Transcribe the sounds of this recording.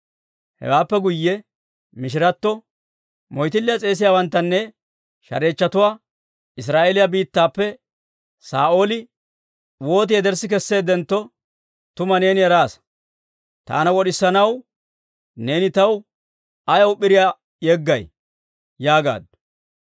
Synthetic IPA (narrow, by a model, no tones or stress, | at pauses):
hɛ̰waːpːɛɡʊjːɛ | mɪʃ̬ɪɾɐt̪ːɔ | mɔjt̪ɪlːɪjɐt͡sʼe̞ːs̬ɪjaːwɐnt̪ːɐnːɛ | ʃɐ̰ɾe̞ːt͡ʃːɐt̪ʊwaː | ɪs̬ɾaːʔelɪjabiːt̪ːaːpːɛ | saːʔo̞ːlɪ | wo̞ːt̪̬ɪjɛd̪ɛɾsɪk̬ɛsːe̞ːd̪ɛnt̪ːɔ | t̪ʊmɐne̞ːnɪjɛɾaːs | t̪a̰ːnɐwɔɗɪsːɐnɐw | ne̞ːnɪt̪ɐw | ɐjɐwʊpːɪɾɪja | jɛɡːɐj | jaːɡa̰ːd̪